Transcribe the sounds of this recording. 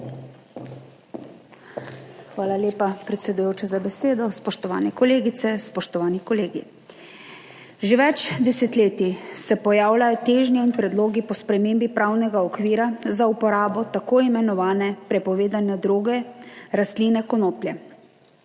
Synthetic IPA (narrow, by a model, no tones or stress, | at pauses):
xʋaːlaljeːpapɾɛt̪sɛd̪ujoːt͡ʃazabɛseːd̪ɔspɔʃt̪ɔʋa̰ːnɛkɔleːɡit̪sɛspɔʃt̪ɔʋaːnikɔleːɡi | ʒeʋɛt͡ʃd̪ɛsɛt̪leːt̪isɛpɔjaːwlajɔt̪eːʒnjɔinpɾɛd̪loːɡipɔspɾɛmeːmbipɾaːwnɛɡaɔkʋiːɾazaupɔɾaːbɔt̪akoːimɛnɔʋaːnɛpɾɛpɔʋeːd̪anjad̪ɾuːɡɛɾast̪linɛkɔnoːplʲjɛ